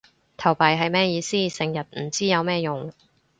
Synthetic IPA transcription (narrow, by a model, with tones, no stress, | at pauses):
t̪ʰɐ˨˩wpɐ˨˩jɦɐ˨jmɛː˥jiː˨˧siː˥sɪ˨˧ŋjɐ˨t̚m̩˨˩t͡siː˥jɐ˨˧wmɛː˥jʊ˨ŋ